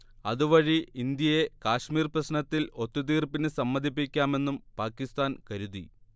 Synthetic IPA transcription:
ɐðuʋɐɻiind̪jɐje̞kaːʂmiːrprɐɕnɐt̪ːilo̞t̪ːut̪̬iːrpinɨsɐmːɐd̪ʱipːikʲːaːme̞nːumpaːkːist̪aːnkɐɾuði

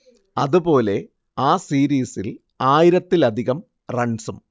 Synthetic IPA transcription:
ɐðubo̞ːle̞ | aːsiːɾiːsil | aːjiɾɐt̪ːilɐd̪ʱiɣɐm | rɐɳsum

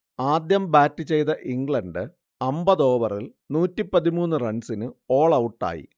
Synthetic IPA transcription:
aːd̪jɐmbaːtːɨt͡ɕe̞jt̪ɐʔiŋɡɭɐnɖɨ | ɐmbɐðo̞ːbɐril | nuːtːipːɐðimuːnːɨrɐɳsinɨo̞ːɭɐwuʈːa̰ːjḭ

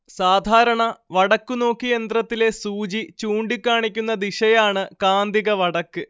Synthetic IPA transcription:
saːd̪ʱaːɾɐɳɐʋɐɽɐkːuno̞ːkːijend̪rɐt̪ːile̞suːd͡ʑit͡ɕuːɳɖikʲːaːɳikʲːunːɐd̪iʂɐjaːɳɨkaːnd̪iɣɐʋɐɽɐkːɨ

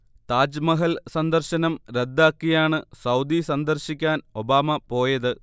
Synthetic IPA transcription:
t̪aːd͡ʑmɐɦɐlsɐnd̪ɐrɕɐnɐmɾed̪ːaːkːijaːɳɨsɐwd̪isɐnd̪ɐrɕikʲːaːno̞baːmɐpo̞ːjɐðɨ

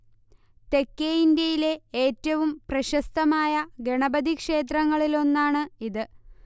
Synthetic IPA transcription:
t̪e̞kːeind̪jɐjile̞eːtːɐʋumprɐɕɐst̪ɐmaːjɐɡe̞ɳɐbɐd̪ikʂe̞ːt̪̬rɐŋːɐɭilo̞nːaːɳɨiðɨ

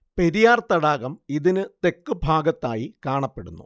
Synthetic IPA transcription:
peɾijaːrt̪ɐɽaːɣɐmiðinɨt̪e̞kːɨbʱaːɡɐt̪ːaːjikaːɳɐpːe̞ɽṵnːṵ

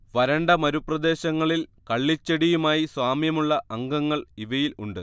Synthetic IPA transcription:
ʋɐɾɐɳɖɐmɐɾuprɐd̪e̞ːɕɐŋːɐɭilkɐɭːit͡ɕːɐɽijumaːjiswaːmjɐmuɭːɐʔɐŋɡɐŋːɐɭiʋɐjiluɳɖɨ

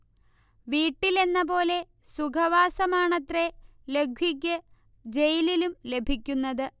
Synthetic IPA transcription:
ʋiːʈːile̞nːɐbo̞ːle̞ | sukʰɐʋaːsɐmaːɳɐt̪re̞le̞ɡʱjik̬ʲːɐ | d͡ʑe̞jililumle̞bʱikʲːunːɐðɨ

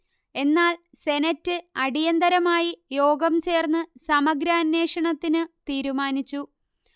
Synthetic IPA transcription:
e̞nːaːl | se̞nɐtːɨɐɽijɐnd̪ɐɾɐmaːjijo̞ːɡɐmt͡ɕe̞ːrnːɨsɐmɐɡɾaːnːe̞ːʂɐɳɐt̪ːinɨt̪iːɾumaːnit͡ɕːu

